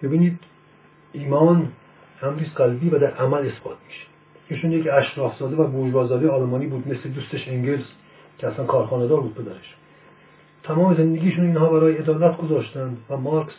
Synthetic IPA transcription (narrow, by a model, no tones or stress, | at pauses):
b̥ebiːniːd̪̥ | iːmɒːn | æmɾiːsɡælbiːvæd̪æɾʔæmæle̞sbɒ̰ːt̪ʰmi̥ʃe̥ | iːʃunjecæʃɾɒːfzɒːd̪evæboːd͡ʒbɒːzɒːd̪eɒːlmɒːniːbuːd̪mesled̪uːst̪eʃeŋɟels | cʰeæslænkʰɒːɾxɒːned̪ɒːɾbuːd̪̚pʰe̞d̪æɾeʃ | t̪ʰæmɒːmezend̪eɡiːʃuːniːnɦɒːbæɾɒːjeed̪ɒːlæt̪ʰɡozɒːʃt̪ænd̪væmɒːɾks